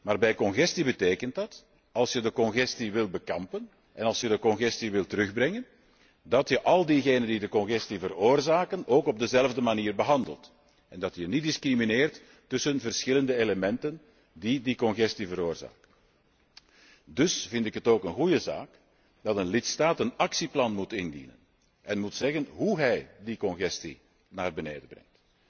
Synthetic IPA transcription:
maːrbɛjkɔnɣɛstibəteːkənt̚dɑt | ɑlˠsjədəkɔnɣɛstiʋɪlˠbəkɑmpən | ʔɛnɑlˠsjədəkɔnɣɛstiʋɪlˠtəɾɵɣbrɛŋən | dɑtjəʔɑlˠdiɣeːnəndidəkɔnɣɛstivəɾoːrzaːkənoːkɔb̚dəzɛləvdəmaniːrbəɦɑndə̰lˠt | ɛndɑtjənidɪskrimineːrtː | ʏsənvərsxɪləndəeləmɛntən | didikɔnɣɛstivəɾoːrza̰ːk̚t | dɵsvɪntɪkɦətoːkənɣujəza̰ːk | dɑtənlɪtstaːtənɑksiplɑnmutɪndḭnə̰n | ʔɛnmutsɛɣənɦuɦɛjdikɔnɣɛstḭ | naːrbəneːdəbrɛ̰ŋt

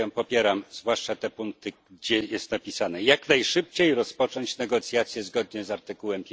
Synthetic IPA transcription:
ɛmpɔpʲjɛɾamzvwaʂt͡ʂat̪ɛpuŋk̚t̪ɘɡɡd͡ʑɛjɛst̪napʲisanɛjaknajʂɘp̚t͡ɕejɾɔspɔt͡ʂɔɲt͡ɕnɛɡɔt̪sʲjat̪sʲjɛzɡɔd̪ɲɛzaɾt̪ɘkuwɛmpʲ

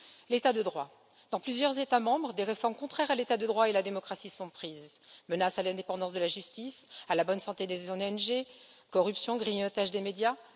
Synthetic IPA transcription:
let̪ad̪əd̪ʁwa | d̪̥ɑ̃plyzjœʁzet̪amɑ̃bʁəd̪eʁefɔʁmkɔ̃t̪χɛʁalet̪ad̪əd̪ʁwaelad̪emɔkχasisɔ̃pχizmənasalɛ̃d̪epɑ̃d̪ɑ̃sd̪əlaʒyst̪isalabɔnsɑ̃t̪ed̪eznɛnʒe | kɔʁypsjɔ̃ɡʁiɲɔt̪aʒd̪emed̪ja

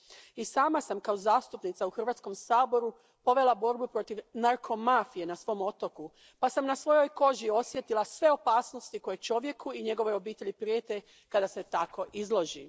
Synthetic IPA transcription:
isaːmasamkaozaːst̪upnit̪sauxr̩ʋaːt̪sko̞msaːbo̞ɾu | po̞ʋe̞labo̞ɾbupɾo̞t̪iʋnaɾkʰo̞mafije̞nasʋo̞mo̞t̪o̞ku | pasamnasʋo̞jo̞jko̞ʒio̞sje̞t̪ilˠasʋe̞o̞paːsno̞st̪iko̞jet͡ʃo̞ʋje̞kuiɲe̞ɡo̞ʋo̞jo̞biːt̪e̞ʎipɾijeːt̪e̞ | kad̪ase̞t̪ako̞ʔizlˠo̞ʒḭ

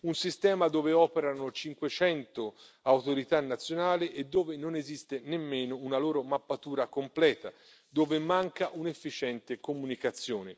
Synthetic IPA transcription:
unsist̪ɛːmad̪oːveɔːpeɾanot͡ʃiŋkwet͡ʃɛnt̪o | awt̪oɾit̪anːat̪sːjonaːlɪʔed̪ːoːvɪnonezist̪enemːeːnounaloːɾomapːat̪uːɾakomplɛːt̪a | d̪oːvɪmaŋkaʔunefːit͡ʃɛnt̪ɪkomunikat̪sːjoːnɪ

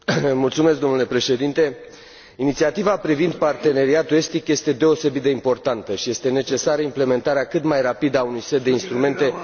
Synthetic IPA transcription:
mult̪sumesk̚d̪o̞mnule̞pɾe̞ʃe̞d̪int̪e̞ | init̪siat̪ivapɾivind̪part̪e̞ne̞ɾiat̪ue̞st̪ikje̞st̪e̞d̪e̞o̞se̞bit̪̚d̪eimpo̞rt̪ant̪əʃije̞st̪e̞ne̞t͡ʃe̞saɾəimple̞me̞nt̪aɾeakɨt̪majrapid̪əaunujset̪̚d̪e̞inst̪ɾume̞nt̪e̞

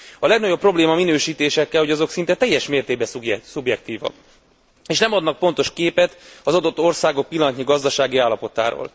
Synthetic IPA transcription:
ɒlɛɡnɒɟo̞pːro̞bleːmɒminøːʃiːt̪eːʃɛkːɛlho̞ɟɒzo̞ksint̪ɛt̪ɛjːɛʃmeːrt̪eːɡ̚bɛssubjɛk̚t̪iːvɒ̰ | eːʃnɛmɒd̪nɒk̚po̞nt̪o̞ʃkeːpɛt̪ɒzɒd̪o̞t̪ːo̞rsaːɡo̞k̚pilːɒnt̪ɲiɡɒzd̪ɒʃaːɡiaːlːɒpo̞t̪a̰ːɾo̰ːl

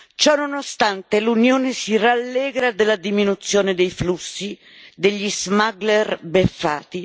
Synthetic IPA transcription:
t͡ʃɔnːonost̪ant̪elunjoːnesiralːɛːɡɾad̪elad̪iminut̪sːjɔːnɪd̪ejflusːi | d̪eʎːizmaɡlɛrbefːa̰ːt̪i

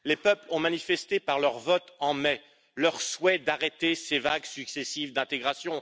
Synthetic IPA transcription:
lepœplɔ̃manifɛst̪epaʁlœʁvɔt̪ɑ̃mɛ | lœʁswɛd̪aʁet̪esevaɡsyksesivd̪ɛ̃t̪eɡʁasjɔ̃

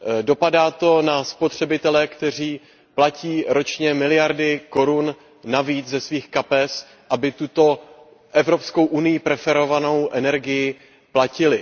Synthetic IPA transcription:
do̞padaːt̪o̞naspot̪r̝̥ɛbɪt̪ɛlɛkt̪ɛr̝iː | placiːɾo̞t͡ʃɲɛmɪlɪjaɾdɪko̞ɾunː | aviːt͡szɛsviːxkapɛs | ʔabɪt̪ut̪o̞ | ʔɛvɾo̞psko̞wʔunɪjɪpɾɛfɛɾo̞vano̞wʔɛnɛɾɡɪjɪ | placɪlɪ

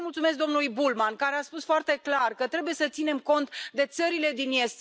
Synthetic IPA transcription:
mult̪sumesk̚d̪o̞mnulujbulmankaɾe̞aspusfoart̪e̞klarkət̪ɾe̞buje̞sət̪sine̞mko̞nt̪d̪e̞t̪səɾile̞d̪injest̪

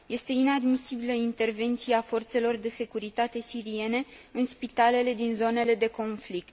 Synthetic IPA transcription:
je̞st̪e̞inad̪misibiləint̪e̞rve̞nt̪sieafo̞rt̪se̞lo̞rd̪e̞se̞kuɾit̪at̪e̞siɾie̞ne̞ɨnspit̪ale̞le̞d̪inzo̞ne̞le̞d̪e̞ko̞nflik̚t̪

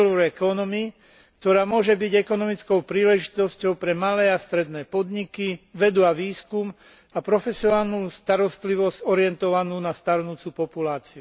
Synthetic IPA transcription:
lɾɛkɔnɔmi | k̚t̪ɔɾaːmʊɔʒɛbiɟɛkɔnɔmit͡skɔʊpɾiːlɛʒit̪ɔscɔʊpɾɛmalɛːast̪ɾɛd̪nɛːpɔd̪ɲikiʋɛd̪uaʋiːskum | apɾɔfɛsiɔnaːlnuːst̪aɾɔst̪liʋɔzɟɔɾɪɛnt̪ɔʋanuːnast̪aɾnuːt͡supɔpulaːt͡siu

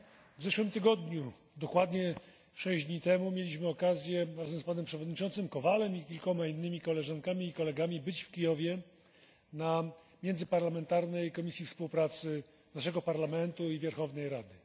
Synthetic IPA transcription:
vzɛʂwɘmt̪ɘɡɔd̪ɲu | d̪ɔkwad̪ɲɛ | fʂɛʑd̪ɲit̪ɛmumʲjelʲiɕmɘɔkazʲjɛɾazɛmspanɛmpʂɛvɔd̪ɲit͡ʂɔnt̪sɘmkɔvalɛmikʲilkɔmainːɘmʲikɔlɛʐaŋkamʲiːkɔlɛɡamʲibɘt͡ɕfkʲijɔvʲjɛ | na | mʲjɛnzɘpaɾlamɛnt̪aɾnɛjkɔmʲisʲjifspuwpɾat̪sɘ | naʂ̬ɛɡɔpaɾlamɛnt̪uivʲjaɾxɔvnɛjɾad̪ɘ

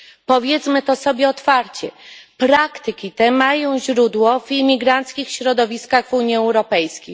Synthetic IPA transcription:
pɔvʲjɛt̪smɘt̪ɔsɔbʲjɛɔt̪faɾt͡ɕɛpɾakt̪ɘkʲit̪ɛmajɔ̃w̃ʑɾud̪wɔvimʲiɡɾant̪skʲixɕɾɔd̪ɔvʲiskaɣvuɲiɛwɾɔpɛjskʲej

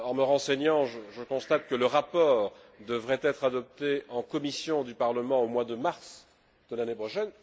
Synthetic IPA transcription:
ɑ̃məʁɑ̃seɲɑ̃ʒəʒəkɔ̃st̪at̪̚kələʁapɔːʁ | d̪əvʁɛt̪ɛt̪χad̪ɔp̚t̪eɑ̃kɔmisjɔ̃d̪ypaʁləmɑ̃omwad̪əmaʁs | d̪̥əlanepχɔʃɛn

